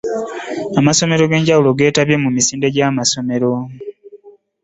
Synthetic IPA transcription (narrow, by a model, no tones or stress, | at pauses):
amaso̞me̞ɾo̞ɡe̞ːɲɟawuloɡe̞ːtaβje̞mumisiːnde̞ɟaːmaso̞me̞ɾo̞